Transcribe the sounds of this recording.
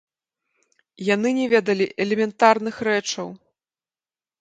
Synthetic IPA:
jan̪ɨnʲɛvʲɛd̪ɐlʲiʔɛlʲɛmʲɛnt̪arnɨxɾɛt͡ʂɐw

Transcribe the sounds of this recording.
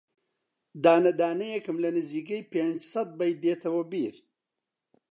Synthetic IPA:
d̪aːnɐd̪aːnɐjekəmlɐnɪziɡɐjpend͡ʒsɐt̪̚bɐjd̪eːt̪ʰɐwɐbiːɾ

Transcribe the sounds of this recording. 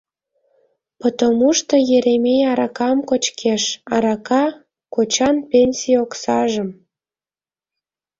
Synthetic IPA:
pot̪omuʃt̪ŏjeɾemeɑɾɑkɑmkot͡ɕkʰeʃɑɾɑkɑ | kot͡ɕɑnpʲenʲsʲioksɑʒəm

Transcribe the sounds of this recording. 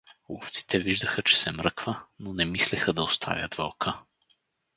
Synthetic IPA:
lˠṵft̪si̥t̪ɛviʒd̪əxət͡ʃɛ̥sɛmɾɤkvənonɛmislɛxəd̪ɐʊst̪ʰa̰vʲjə̰d̪vɔlˠkʰə

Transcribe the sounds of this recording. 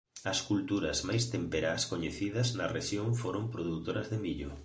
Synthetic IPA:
ɐskult̪uɾɐzmajst̪empeɾaskoɲeθiðɐznɐreʃjoŋfoɾompɾoðut̪oɾɐzðemiʎʊ

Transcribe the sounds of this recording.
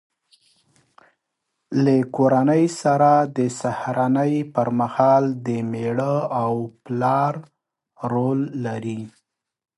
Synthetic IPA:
lakoɾanəjsaɾad̪əsahɾanəjpəɾmahɑld̪əmeɽəawplɑɾ | ɾolːaɾi

